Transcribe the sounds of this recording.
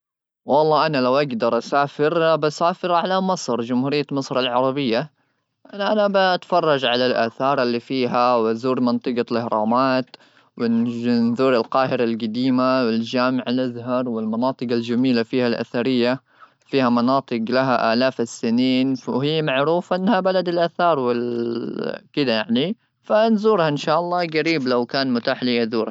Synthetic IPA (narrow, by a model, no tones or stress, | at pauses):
wɑlˤːɑːʔanalawʔaɡd̪ɑɾˤʔasaːfɪɾbasaːfɪɾʕalamɑsˤɾd͡ʒʊmhuːɾɪjːamɨsˤɾalʕɑɾˤɑbɪjːa | ʔaʔanabaʔt̪fɑrˤːɑd͡ʒʕalalʔaːθɑːɾˤalːiːfiːɦawazuːɾmɪnt̪ˤɨɡɑlɪhɾˤɑːmaːt̪ | wɪnðuːɾalqɑːhɪɾalɡad̪iːmawɪld͡ʒaːmɪʕalʔazɦɑɾˤwɪlmɑnɑːt̪ˤɨɡald͡ʒamiːlafiːhalʔa̰θaɾɪjːa | fiːhamɑnɑːt̪ˤɨɡlaɦaʔaːlaːfsːɪniːnhɪjːmaʕɾuːfʔanːhabalad̪alʔaːθɑːɾˤwɪl | kɪd̪ajaʕni | fanzuːɾhaʔɪnʃaːʔɑlˤːɑːɡaɾiːblawkaːnmʊt̪aːħliːʔazuːɾha